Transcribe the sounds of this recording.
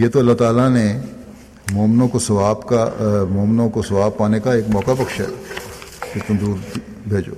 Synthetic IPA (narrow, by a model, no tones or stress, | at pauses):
jeːt̪oɐlːat̪aːlane | moːmnõkosɐʋaːbkamoːmnõkosɐʋaːb̚paːnekaeːkmɔːkapɐkʃɦɛ̰ː | ket̪ɐ̃nd̪uːɾi | bʱeːd͡ʒo̰ː